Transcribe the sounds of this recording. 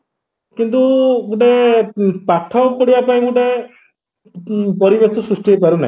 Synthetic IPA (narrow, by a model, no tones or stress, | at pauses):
kint̪̬umuɖe | paʈʰːɔpɔɽibapaĩmuɖe | pɔɾibet̪ɔsusʈiejpaɾuna̰i